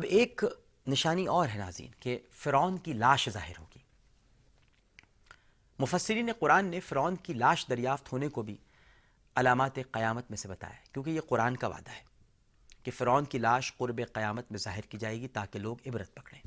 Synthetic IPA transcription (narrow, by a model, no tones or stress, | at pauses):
ɐbeːk | nɪʃaːniɔːɾɦɛna̰ːzḭːnkefɪɾɔːnkilaːʃza̰ːɦɪɾɦo̰ːɡiː | mʊfəsːɪɾineqʊɾaːnːefɪɾɔːnkilaːʃd̪ɐɾjaːft̪ɦoːnekobʱi | ɐlaːmaːt̪eqɐjaːmət̪mẽsebɐt̪a̰ːjakjõːkejeqʊɾaːnkaʋa̰ːd̪aɦɛ̥ː | kefɪɾɔːnkilaːʃqʊɾbeqɐjaːmət̪mẽzaːɦɪɾkid͡ʒaːeːɡit̪aːkeloːɡɪbɾət̪̚pɐkɽẽː